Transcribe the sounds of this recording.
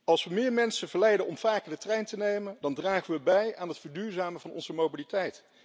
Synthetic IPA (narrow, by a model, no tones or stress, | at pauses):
ɑlˠsʋəmɪːɹmɛnsənv̥əɹlɛjdənɔmv̥aːkəɹdətrɛjntənejməndɑndraːχəʋəbɛjaːnɦətfəɹdyːɹzaːməvɑnɔ̰nzəmowbilitɛjt